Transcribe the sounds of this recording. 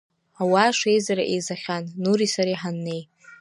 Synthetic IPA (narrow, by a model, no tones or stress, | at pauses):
awaːʂe̞jzaɾaʔejzaχʲanːuɾisaɾiħanːe̞j